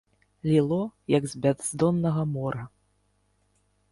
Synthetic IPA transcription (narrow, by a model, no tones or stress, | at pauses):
lʲilˠɔjɐɡzʲbʲad̪zd̪ɔnːɐɣɐmɔɾɐ